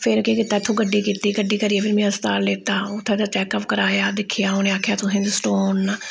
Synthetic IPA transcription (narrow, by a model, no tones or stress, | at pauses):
pʰɪɾkeːkɪt̪ːaːɪt̪ʰːõːɡəɖːiːkiːt̪iːɡəɖiːkəɾiːeːpʰɪɾmɛ̃ːəst̪aːɾleːt̪aːʊt̪ʰːẽːd̪aːʈɛːkəpkəɾaːjaːd̪ɪkʰɪjaːɦoːnẽːaːkʰjaːt̪ʊsẽːd͡ʒ̪asʈoːn